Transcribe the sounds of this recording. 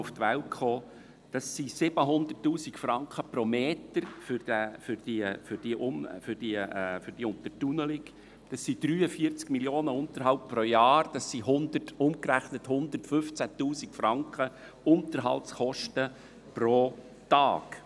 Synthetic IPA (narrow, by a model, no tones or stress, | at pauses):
uft̪ʋæltχoː | d̥ɑsːisɪb̥əɦʊnd̪ətːuːsikfɾɑŋkχəprɔmeːtəɾfʏɾd̥æfʏɾd̥ifʏɾd̥iʔʊnfʏɾd̥ifʏɾd̥iʊnt̪ərtunəlɪk | d̥ɑsːid̪̥ɾyːəfiəɾt͡skmiljoːnəʊnt̪əɾɦɑlp̚pɾojɑːɾd̥ɑsːiɦʊnd̪ətʊmkɾæχnəthʊnd̪ətfɵft͡sætuːsikfɾɑŋkχə | ʊnt̪əɾɦɑ̰ltsχɔʃtə | pɾo | t̪ɑːk